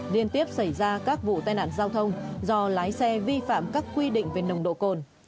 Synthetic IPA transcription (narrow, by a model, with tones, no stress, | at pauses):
li˧ənt̪i˦˥əp̚sa˧˩jzaː˧kaː˦˥k̚vṵ˧˨t̪aː˧jna̰ː˧˨nzaː˧wt̪ʰə˧wŋ͡mzɔ˧laː˨˦jsɛ˧vi˧fa̰ː˧˨mkaː˦˥kːwi˧ɗḭ˧˨ŋ̟ve˨˩nə˨˩wŋ͡mɗo̰˧˨ko˨˩n